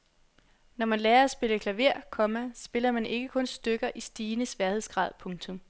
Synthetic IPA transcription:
nɒmænlɛːɐæsb̥e̝ləkʰlæʋe̝ɐ̰kʰɒ̽mæsb̥e̝lɐmæne̝ɡ̥əkʰɔ̽nsd̥øɡ̥ɐʔisd̥iːnəsʋæɐhe̝ð̰ˠsɡ̥ʁɑ̰̈ːð̞̰ˠpʰɔ̽ŋt͡sʰɔ̽m

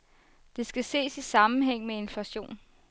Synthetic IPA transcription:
d̥e̝sɡ̥æse̝̰ːsisɑ̈mn̩ɦeŋ̰mee̝nflæɕo̝̰ːn

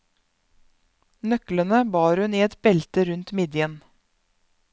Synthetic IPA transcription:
nœklənəbɑːɾhʉniːɛt̪bɛlt̪əɾʉnt̪mɪd̪ɪən

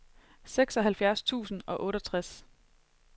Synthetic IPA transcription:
seɡ̥sɒ̽ɦælfjæɐst͡sʰṵːsn̩ɒ̽ʔɔ̽ːɾɐt͡sʰʁas

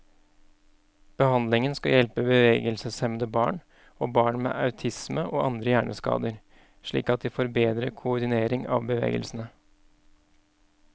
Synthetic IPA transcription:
b̥əhɑnd̪lɪŋənskɑjɛlpəbəʋeːɡəlsəsɛmnd̪əbɑ̰ːɳ | oːbɑːɳmḛːʔɑʉt̪ʰɪsməʔoːʔɑnd̪ɾəjæːɳʔəskɑ̰ːd̪əɾ | ʂɭḭːkɑt̪̚d̪iːfoːɾbeːd̪ɾəkʰʊʊɖ̪ɪneːɾɪŋɑ̰ʋbəʋḛːɡə̰lsn̩ə

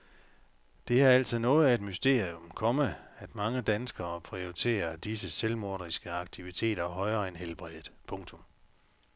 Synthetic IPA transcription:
d̥e̝æɐæl̰sʰɐðˠnɔ̽ːð̞̩ˠæe̝d̥mysd̥e̝̰ɐ̰ijɔmkʰɒ̽məæd̥mɑ̈ŋəd̥ænsɡ̥ɐːpʰʁioit͡sʰe̝̰ːɐd̥is̬əselmo̝ɐɾ̥ʁisɡ̥əɑ̈ɡ̥̚t͡sʰiʋit͡sʰe̝̰ːdɾ̥ɐɦɒ̽ɪɐenɦelb̥ʁið̩ˠpʰɔ̽ŋt͡sʰɔ̽m

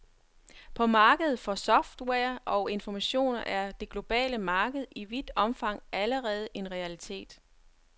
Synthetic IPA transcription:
pʰɒ̽mɑ̈ːɡ̥əð̞̩ˠfɒ̽sɒ̽fd̥wɛɐʔɒ̽ʊe̝nfɒmæɕo̝̰ːnɐʔæɐd̥e̝ɡ̥lo̝b̥ɛ̰ːləmɑ̈ːɡ̥əð̩ˠiʋid̥ɒ̽mfɑ̈ŋ̰ʔæləʁɛːð̞̩ˠe̝nʁɛælit͡sʰe̝̰ːd̥

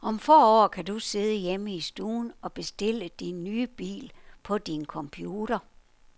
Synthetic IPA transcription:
ʔɒ̽mfɒ̰ːɒ̰ːkʰæd̥use̝ð̞ˠəjeməisd̥ṵːnɒ̽b̥e̝sd̥e̝l̰əd̥inːyːb̥ḭːlpʰɒ̽d̥inkʰɒ̽mpʰjuːɾ̥ɐ

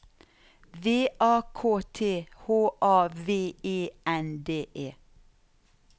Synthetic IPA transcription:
ʋeːʔɑːkʰoːt̪ʰeːhoːʔɑːʋeːeːɛnd̪eːʔeː

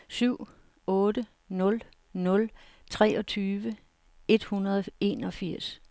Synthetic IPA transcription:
syʊ̰ | ɔ̽ːd̥ə | nɔ̽l | nɔ̽lt͡sʰʁɛːɒ̽t͡sʰyːʋə | e̝d̥hunɐðˠɒe̝̰nɒ̽fiɐ̰s

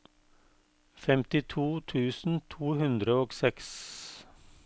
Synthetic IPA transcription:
fɛmt̪ɪt̪ʰuːt̪ʰʉːsn̩t̪ʰuːhʉnd̪ɾəoːɡsɛks

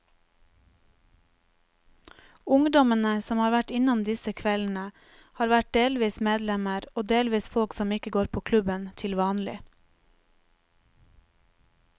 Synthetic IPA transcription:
ʊŋd̪ɔmənəsɔmhɑːɾʋæʈɪnɔmd̪ɪsəkʰʋɛln̩ə | hɑːɾʋæʈ̚deːlʋiːsmeːd̪lɛməɾoːd̪eːlʋiːsfɔlksɔmɪkəɡoːɾpʰoːkʰlʉbənt̪ʰɪlʋɑːnlɪ̰

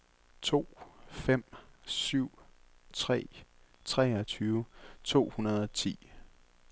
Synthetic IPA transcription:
t͡sʰo̝̰ːfem̰syʊ̰ | t͡sʰʁɛ̰ː | t͡sʰʁɛːɒt͡sʰyːʊt͡sʰo̝̰ːhunɐðˠɒ̽t͡sʰḭː

